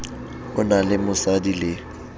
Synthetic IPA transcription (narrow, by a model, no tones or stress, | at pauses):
ʊnalɪmʊsadilɪ